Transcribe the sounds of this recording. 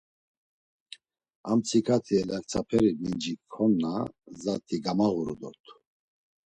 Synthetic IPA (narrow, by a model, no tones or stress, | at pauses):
amt͡sʰikʰat̪ʰiɛlak̚t͡sʰapʰɛɾimind͡ʒikʰɔnːazat̪ʰiɡamaɣuɾṵd̪ɔ̰t̪ʰu̥